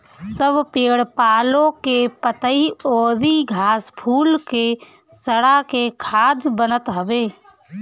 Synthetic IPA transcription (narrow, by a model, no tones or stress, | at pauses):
səbʱpeːɽpaːlõkepət̪əioːd̪iɡʱaːspʰuːlke | səɽakekʰaːd̪bənət̪ɦəbeː